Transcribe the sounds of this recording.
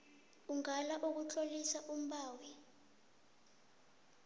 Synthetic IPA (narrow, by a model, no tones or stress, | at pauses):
uŋalaʔuk̬ut͡ɬʰʼolisaʔum̩ɓaːwi